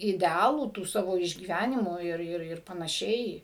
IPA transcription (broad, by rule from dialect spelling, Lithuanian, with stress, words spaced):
ɪdʲɛˈɑːlˠuː tuː ˈsɑːʋoː ɪʒʲɡʲiːˈʋʲænʲɪmuː ˈɪr ˈɪr ɪr pɐnɐˈʃʲɛɪ